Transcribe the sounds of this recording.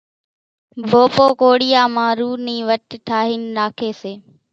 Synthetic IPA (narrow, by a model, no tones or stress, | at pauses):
bʱoːpoːkoːɽɪjaːmãːɾuːniːʋəʈʈʰaːɦiːnːaːkʰeːseː